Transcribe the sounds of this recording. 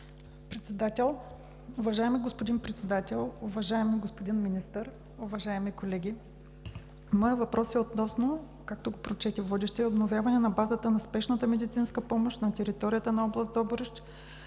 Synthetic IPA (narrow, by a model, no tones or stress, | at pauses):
pɾɛt̪sɛd̪at̪ɛlˠ | ʊvɐʒaɛmiɡospod̪inpɾɛt̪sɛd̪at̪ɛlˠʊvɐʒaɛmiɡospod̪inminist̪əɾ | ʊvɐʒaɛmikolɛɡʲi | mɔəvɐpɾɔsiot̪nɔsno | kak̚t̪oɡopɾot͡ʃɛt̪ivɔd̪ɛʃt̪ɛɛobnovʲjavɐnɛnɐbazət̪ənɐspɛʃnət̪əmɛd̪it̪sinskəpɔmoʃt̪nɐt̪ʲɛɾit̪ɔɾʲijət̪ənɐɔblˠɐsd̪ɔboɾɛʃt̪